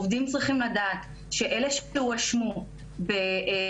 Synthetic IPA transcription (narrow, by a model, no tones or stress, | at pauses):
ovd̪imt͡sʁiχimladaːt̪ | ʃe̞ʔe̞leʃuaʃmu | be